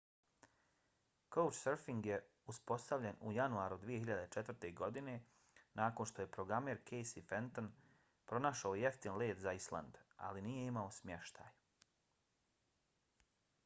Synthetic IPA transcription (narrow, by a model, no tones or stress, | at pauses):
kowt͡ʃseɾfiŋɡje | uspo̞st̪aʋʎenṵjanuaːɾud̪ʋije̞çiʎad̪e̞t͡ʃet̪vr̩t̪e̞ɡo̞d̪ine̞ | nʔaːko̞nʃt̪oje̞pɾo̞ɡɾame̞ːɾkʰe̞jsifent̪o̞n | pɾo̞naʃaoje̞ft̪inle̞ːt̪zaislˠa̰nd̪a̰linije̞imao̞smje̞ʃt̪a̰ːj